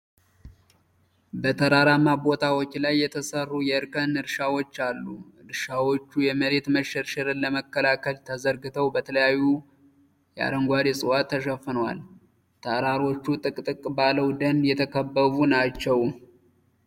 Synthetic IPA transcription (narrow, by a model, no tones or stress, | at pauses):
bət̪ʰəɾaɾamabo̞t̪ʰawot͡ʃːlajːɛt̪ʰəsərːujɛɨɾkʰənɨɾʃawot͡ʃːalːu | ɨɾʃawot͡ʃːujɛməɾe̞t̪məʃəɾʃɪɾɨnlːəməkːəlakʰəlt̪ʰəzəɾɡɨt̪ʰəwbət̪ʰələjajːu | jɛa̰d̪əŋɡʷad̪esʼɨwat̪ʰːəʃ̬əfːɨnwa̰l | t̪ʰəɾaɾo̞t͡ʃːut̪ʼɨkʼt̪ʼɨkʼbaləwd̪ənjɛt̪ʰəkʰəbːəβunat͡ʃːɛw